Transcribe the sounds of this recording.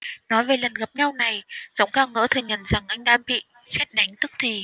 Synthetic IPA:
nɔ˨˦jve˨˩lə˨˩nɣa˨˩p̚ɲa˧wna˨˩jzə˨˦wŋ͡mkaː˧˩ŋə̰ː˧˥t̪ʰɨ˨˩ɲə˨˩nza˨˩ŋʔa˧jŋ̟ɗaː˧mɓḭ˧˨ | sɛ˦˥t̚ɗa˨˦jŋ̟t̪ɨ˦˥k̚t̪ʰi˨˩

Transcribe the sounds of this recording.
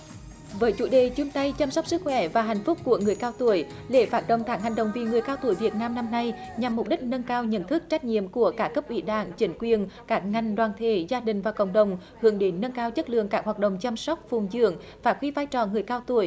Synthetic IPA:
vəː˨˦jt͡ɕṵ˧˩˦ɗe˨˩t͡ɕʊ˧ŋ͡mt̪a˧jt͡ɕaː˧msɔ˦˥k͡p̚sɨ˦˥k̚xwɛ˧˩vaː˨˩ɦa˨˩jŋ̟fʊ˦˥k͡p̚ku˧˩əŋɨ˨˩əjkaː˧wt̪u˧˩əj | le˧˩faː˨˥t̚ɗə̰˧˨ŋ͡mk̪aː˦˥k̚ha˨˩ŋ̟ɗə̰˨wŋ͡mvi˨˩ŋɨ˨˩əjkaː˧wt̪u˧˩əjvi˨˩ət̚naː˧mna˧mna˧jɲa˨˩mː˨˩k͡p̚ɗï˦˥k̟̚nə˧nkaː˧wɲə̰˧˥nt̪ʰɨ˦˥k̚t͡ɕa˦˥k̟̚ɲḭ˧˨əmku˧˩əkaː˦˥kə˦˥p̚ʔwḭ˧˩ɗa̰ː˧˩ŋt͡ɕï˨˦ŋ̟kwi˨˩ənkaː˦˥k̚ŋa˨˩jŋ̟ɗwaː˨˩nt̪ʰe˧˩zaː˧ɗï˨˩ŋ̟vaː˨˩kə̰˧˨wŋ͡mɗə˨wŋ͡m | hɨ˨˦əŋɗe˨˦nːə˧nkaː˧wt͡ɕə˦˥t̚lɨ̰˧˨əŋkaː˦˥k̚haː˨˩t̚ɗə̰˧˨wŋ͡mt͡ɕaː˧msɔ˦˥wk͡p̚fu˨˩ŋ͡mzɨ̰˧˥əŋ | vaː˨˩xi˧vaː˧jt͡ɕɔ˨˩ŋɨ˨˩əjkaː˧wt̪u˧˩əj

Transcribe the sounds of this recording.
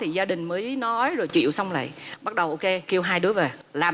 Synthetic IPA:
t̪ʰi˨˩zaː˧ɗï˨˩ŋ̟məː˨˦jnɔ˨˦jzo˨˩jt͡ɕḭ˧˨əwsa˧wŋ͡mla̰ː˧˨jɓa˦˥t̚ɗə˨˩wʔo˧wke˧ki˧əwɦaː˧jɗɨ˨˦əve˨˩laː˨˩

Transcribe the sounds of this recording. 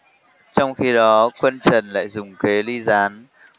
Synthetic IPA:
t͡ɕɔ˧wŋ͡mxi˧ɗɔ˨˦kwə˧nt͡ɕə˨˩nla̰ː˧˨jzʊ˨˩ŋ͡mke˨˦li˧zaː˨˦n

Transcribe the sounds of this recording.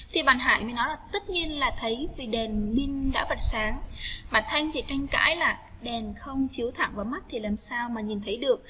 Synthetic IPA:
t̪ʰi˨˩ɓaː˨˩nɦa̰ː˧˨jmi˨˩nɔ˨˦jlaː˨˩t̪ə˦˥t̚ɲi˧ənlaː˨˩t̪ʰə˨˦jvi˨˩ɗɛ˨˩nmi˧ŋ̟ɗa̰ː˧˥və˨˩t̚saː˨˦ŋmaː˨˩t̪ʰa˧jŋ̟t̪ʰi˨˩t͡ɕa˧jŋka̰ː˧˥jlaː˨˩ɗɛ˨˩nxə˧wŋ͡mt͡ɕi˨˦əwt̪ʰa̰˧˨ŋvaː˨˦jma˦˥t̚t̪ʰi˨˩laː˨˩msaː˧wmaː˨˩ɲi˨˩nt̪ʰə˨˦jɗɨ˨˩ək̚

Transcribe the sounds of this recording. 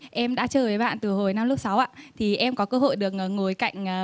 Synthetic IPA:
ʔɛ˧mɗa̰ː˧˥t͡ɕəː˨˩ve˨˦jɓa̰ː˧˨nt̪ɨ˨˩ho˨˩jna˧mlʊ˦˥k͡p̚sa˨˦wʔaː˧˨t̪ʰi˨˩ʔɛ˧mkɔ˨˦kəː˧ɦo̰˧˨jɗɨ˨˩ək̚ʔəː˨˩k̚ŋo˨˩jka̰˧˨jŋ̟ː˨˩

